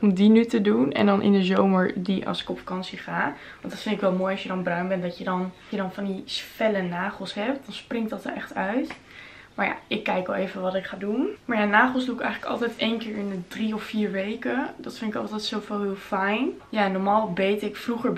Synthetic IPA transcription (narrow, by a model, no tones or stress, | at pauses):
ɔmdinytədunɛ̰ndɑnʔɪ̰ndəzowməɹdiʔɑ̰lˠsɪ̥kɔpfḁkɑnsiχaː | ʋɑntdɑtfɪndɪkʋɛlˠmoːjɑsjədɑnbrœɥnbɛndɑtjədɑnjədɑnfɑndisfɛlənaːχəlˠsɦɛp̚t̚dɑnsprɪŋtdɑtəɹʔɛ̰χtœɥt | maːɹja̰ɪkːɛjkʋɛlˠevənʋɑtɪkχaːdunmaɹjanaːχəlˠsdukɛjχələkɑ̰lˠtɛjtejnkɪːɹɪnədriɔfːiːɹʋejkədɑtfɪndɪkɑ̰lˠtɛjtsowfɔlˠɦɪːlˠfɛjn | janɔɹmaːlˠbejtɪkfruχəɹ